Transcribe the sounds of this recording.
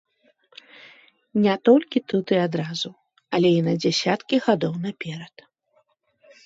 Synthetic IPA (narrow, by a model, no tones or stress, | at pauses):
nʲɛt̪ɔlʲkʲit̪ut̪ɨad̪ɾazu | ɐlʲɛinɐd͡zʲasʲat̪kʲiɣad̪ɔwnapʲɛɾɐt̪